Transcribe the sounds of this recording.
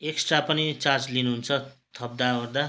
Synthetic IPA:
eksʈrapʌnit͡sard͡zlinuɦunt͡sʰʌt̪ʰʌb̚d̪aord̪a

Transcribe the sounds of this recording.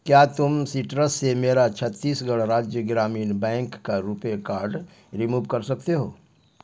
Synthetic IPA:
kjaːt̪ʊmsiʈɾəsːemeːɾat͡ʃʰət̪ːiːsɡɐɽɾaːd͡ʒjəɡɾaːmiːnbɛ̃ːŋkːaɾupekaːɾɖ | ɾɪmuːʋkɐɾsɐk̚t̪eɦoː

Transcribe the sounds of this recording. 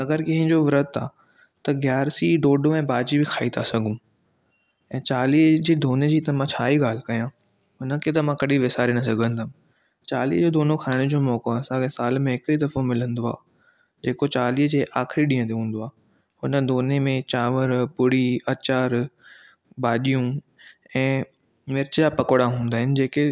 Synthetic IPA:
ɐɡəɾkɐ̃ɦɪ̃ɲd͡ʑoʋɾət̪ʰaː | t̪ɐɡjaːɾsiɖoːɖõɛ̃ːbaːd͡ʑibɪkʰaːit̪ʰasɐɡʱũ | ɛ̃ːt͡ɕaːliːɦd͡ʑeːd̪ʱoːned͡ʑiːt̪ɐmãt͡ɕʰaːiɡaːl̤ɪkɐjãː | ɦʊnə̆kʰet̪̬ɐmãkɐɗiʋɪsaːɾenɐsɐɡʱə̃nd̪əm | t͡ɕaːlḭɦd͡ʑoːd̪oːnokʰaːɪɽ̃ʊd͡ʑoːmɔːkoɐsãkesaːlmẽɦɪkid̪ɐfomɪlə̃nd̪oa̰ː | d͡ʑeːkot͡ɕaːliːɦəd͡ʑeːʔaːxɾiɗĩːə̃t̪ʰeɦũːnd̪oaː | hʊnə̆d̪ʱoːnemẽt͡ɕaːʋəɾpʊɽiɐt͡ɕaːɾ | ɓaːɗijũ | ɛ̃ː | mɪɾɪt͡ɕjapɐkoɽaɦũːnd̪aːɦɪnɪ̆d͡ʑeːke

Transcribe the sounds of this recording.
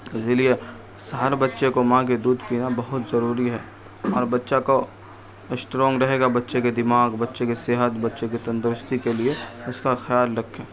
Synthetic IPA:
ɪsɪlie | sɦaɾbɐtːʃekomãked̪uːd̪piːnabɐɦʊt̪zɐɾuːɾiɦɛː | ɔːɾbɐtːʃako | ɪsʈɾõːŋɡɾɐɦeːɡabɐtːʃeked̪ɪmaːɡbɐtːʃekiseːɦət̪bɐtːʃekit̪ɐ̃nd̪ɾɪst̪ikelieʊskaxjaːlɾɐkʰːẽː

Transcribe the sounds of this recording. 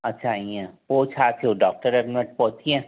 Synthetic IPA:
ɐtːʃʰaĩɛ̃poːt͡ʃʰaːt̪ʰioɖɔːk̚ʈəɾeːkmɪnəʈ̚pɔːt̪iɛ̃

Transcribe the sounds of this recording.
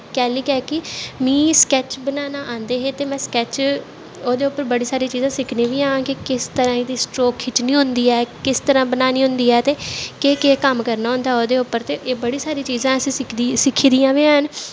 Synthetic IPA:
kɛːliːkɛːkɪmĩːskɛːt͡ʃbənaːnaːʔãːnd̪eːɦeːt̪eːmɛ̃ːskɛːt͡ʃ | oːd̪eːʊpːəɾbəɽiːsaːɾiːt͡ʃiːzãːsɪkʰnẽːʋiːaːãːkɪkɪst̪əɾãːd̪iːsʈɾoːkʰːɪt͡ʃnĩːɦʊ̃nd̪iːɛːkɪst̪əɾãːbənaːnĩːɦʊ̃nd̪iːɛːt̪eːkeːkeːkəmkəɾnaːɦʊ̃nd̪aːɛoːd̪eːʊpːəɾt̪eːʔeːbəɽiːsaːɾiːt͡ʃiːzãːəsĩɪk̪ːsɪkʰːiːd̪ijãːʋeːãːɦən

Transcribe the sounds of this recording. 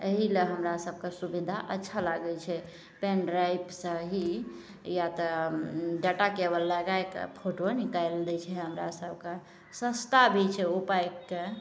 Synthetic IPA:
əɦileɦəmɾasəb̚ʱkesubid̪ʱaʔətːʃʰalaɡɛt͡ʃʰɛ | penɖɾajpsə̃ɦi | jat̪ə | ɖaʈakebəlːəɡaekə̰pʰoʈonikajld̪ɛt͡ʃʰɛɦəmɾa̰səbʱke | sə̃st̪abʱit͡ʃʰɛupajkːe

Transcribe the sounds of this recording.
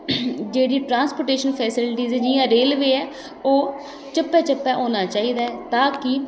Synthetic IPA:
d͡ʒeːɽiːʈɾãːnspoːʈeːʃənpʰɛːsɪlʈiːzɛːd͡ʒɪjãːɾeːlʋeːɛː | oː | t͡ʃəpːɛːt͡ʃəpːɛːʔoːnaːt͡ʃaːiːd̪aɛːt̪aːkɪ

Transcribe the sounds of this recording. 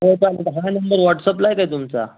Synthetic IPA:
ɦopaled̪ɦanəmbəɾʋɔʈsəplajkaɦit̪umt͡sa̰

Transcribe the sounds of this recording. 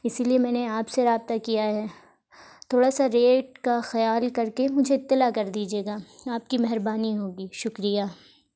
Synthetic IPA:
ɪsiliemɛ̃ːneaːpseɾaːb̚t̪akijaɦɛː | t̪ʰoːɽasaɾeːʈ̚kaxɐjaːlkɐɾkemʊd͡ʒʱeɪt̪ːɪlakɐɾd̪iːd͡ʒeːɡaːaːp̚kimɛɦɾbaːniɦoːɡiːʃʊkɾijaː

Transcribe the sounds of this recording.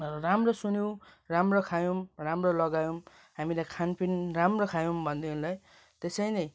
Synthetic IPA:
ramrosunow̃ramrokʰajõmramrolʌɡajõm | ɦamilajkʰanpʰinramrokʰajõmbʱʌnd̪eɦunlaj | t̪esʌjnʌj

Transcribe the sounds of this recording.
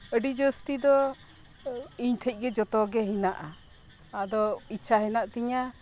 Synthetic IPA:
əɖid͡ʒəst̪id̪ɔ | iɲʈʰəc̚ˀɡɛd͡ʒɔt̪ɔɡɛɦinaʔa | ad̪ɔit͡ʃʰaɦɛnaʔt̪ɛɲa

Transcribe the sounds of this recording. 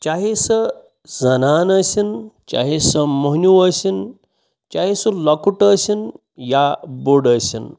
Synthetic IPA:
t͡ʃaɦisə | zɐnaːnɐsint͡ʃa̰ɦisəməɦnjuəsin | t͡ʃaɦisulɐkuʈəsin | jaboɽəsḭn

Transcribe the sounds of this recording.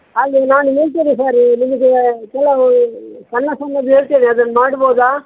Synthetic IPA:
ɐlːinaːnuɦeːɭt̪̬iːnis̬aːɾnimɐɡekɛlːɐ | sɐnːɐsɐnːɐd̪eːɭt̪eːniɐd̪ɐnːɐmaːɽboːd̪aː

